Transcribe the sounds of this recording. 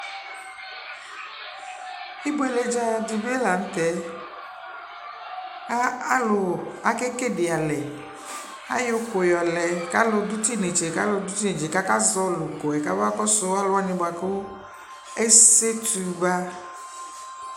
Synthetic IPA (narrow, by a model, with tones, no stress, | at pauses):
i˦bo˦e˨le˨d͡ʒa˦ja˨d̪i˨be˦la˨n̩˦t̪ɛ˦ | ka˦a˦lo˨a˨ke˦ke˦ɖe˨a˨lɛ˨ | a̰˦jo˦ko˨jɔ˨lɛ˨ka˦lo˨d̪u˦t̪i˦ne˨t͡ʃe˨ka˦lo˨d̪u˦t̪i˦nẽ˨d͡ʒe˨ka˦ka˦zɔ˦lo˨ko˨ɛ˨ka˦va˦kɔ˦so˦a˦lo˨˦a˨nĩ˨ba˨ko˦ | e˦se˦t̪u˨va˦